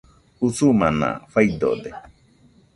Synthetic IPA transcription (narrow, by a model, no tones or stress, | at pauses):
husumana̰fajd̪o̰d̪e